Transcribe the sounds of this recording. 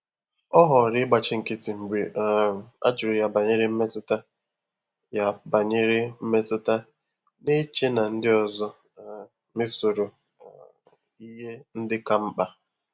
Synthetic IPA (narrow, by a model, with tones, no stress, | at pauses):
ɔ˦ɦɔ˨ɾɪ˦ɡ͡ba˨t͡ʃɪ˦ŋ̩˨kɪ˦tɪ˨ŋ͡m̩˨ɡ͡be˨a̰˦d͡ʒʊ˨ɾʊ˨ja˨ba˨ɲe˦ɾɪ˦m̩˦me˦tʊ˦ta˦ | ja˦ba˨ɲe˦ɾɪ˦m̩˦me˦tʊ˦ta˦ | ne˦t͡ʃe˦na˨n̩˦dɪ˦ɔ˨zɔ˦˨ | mɪ˦sʊ˨ɾʊ˨ | i˦ɦe˦n̩˦dɪ˦ka˦m̩˦k͡pa˦